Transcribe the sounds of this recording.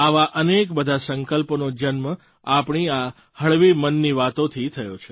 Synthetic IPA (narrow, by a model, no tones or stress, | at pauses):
aʋaʔənekbəd̪ʱasəŋkəlpnod͡ʒənmə | apɳ̃ia | həɭʋimənːiʋat̪õt̪ʰit̪ʰəjot͡ʃʰe